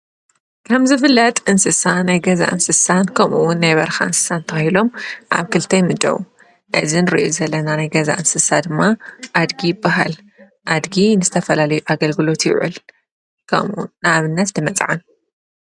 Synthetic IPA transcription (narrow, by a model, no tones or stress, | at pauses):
kʰɐmzɨfɨlːɐt̪ʼɨnsɨsanajɡɐza̰ʔɨnsɨsankʰɐmʔuwʊnːajβɐɾxa̰ʔɨnsɨ̥sant̪ʰɐxɐhilo̞mʔa̰βkʰɨlt̪ʰɐjmɨt͡ʃʼɐ̰wu | ʔɨzinɨɾiʔuzɐlːɐnanajɡɐza̰ʔɨnsɨsad̪ɨmːaʔad̪ɡijɪbːaɦal | ʔad̪ɡinɨzɨt̪ʰɐfɐlalɐjuʔaɡɐlɡɨlo̞t̪jɪ̰ʕṵl | kʰɐ̰mʔṵnaβɨnːɐt̪nɨmɐt͡sʼʕan